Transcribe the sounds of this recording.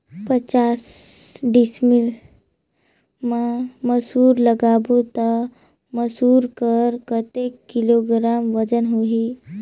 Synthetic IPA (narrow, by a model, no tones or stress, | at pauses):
pət͡ɕasɖismil | maməsuɾləɡabut̪ə | məsuɾkəɾkət̪ekːiloɡɾamʋəd͡zənɦoɦi